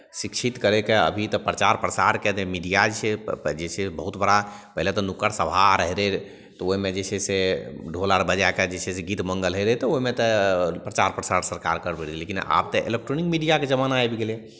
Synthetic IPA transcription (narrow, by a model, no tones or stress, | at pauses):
sikt͡ʃʰit̪kəɾekeə̰bʱit̪ɔpɾət͡ʃaɾpɾəsaɾket̪emiɖijad͡ʒt͡ʃʰɛd͡ʒet͡ʃʰɛbəɦut̪bəɽapəɦlet̪ɔnukəɾsəbʱaɾəɦɾɛ | t̪ɔoimed͡ʒet͡ʃʰɛseɖʱolaɾbəd͡ʒaked͡ʒet͡ʃʰɛseɡit̪məŋɡəlɦəɾəɦt̪ɔoɦimet̪ɔpɾət͡ʃaɾpɾəsaɾsəɾkaɾkəɾbəɽilekina̰b̚t̪ɔʔḛlek̚ʈɾonikmiɖijaked͡ʒəmanaebɡele